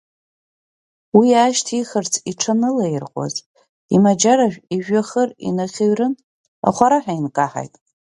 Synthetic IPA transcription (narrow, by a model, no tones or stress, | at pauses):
wiaːʃtʰiχərt͡sʰiʈ͡ʂʰanɨlairqʼa̰z | imad͡ʒaɾaʒʷᶣiʒᶣaχərḭnaχʲeɥrɨn | a̰χʷaɾaħainkʼaħa̰jtʼ